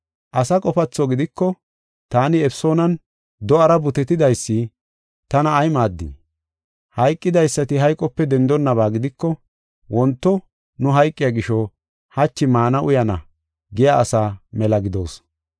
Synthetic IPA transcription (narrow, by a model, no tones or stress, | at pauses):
ʔɐsɐkʼɔfɐt͡sːɔɡɪd̪ɪkːɔ | t̪aːnɪɛfso̞ːnɐn | d̪ɔʔɐɾɐbʊt̪ɛt̪ɪd̪ɐjsːɪ | t̪ɐnɐːjmaːd̪ːɪ̰ | hɐjkʼːɪd̪ɐjsːɐt̪ɪɦɐjkʼɔpːɛd̪ɛnd̪ɔnːɐβaːɡɪd̪ɪkːɔ | wɔnt̪ːɔ | nʊɦɐjkʼːɪjaɡɪʃɔ | hɐt͡ʃːɪmaːnɐʔʊjɐnɐ̰ | ɡɪjaʔːsaːmɛlɐɡɪd̪o̞̰ːs